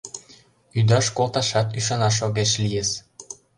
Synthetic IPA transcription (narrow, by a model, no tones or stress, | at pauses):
yd̪ɑʃkolt̪ɑʃɑt̪yʃ̬ɑnɑʃ̬oɣeʃlijez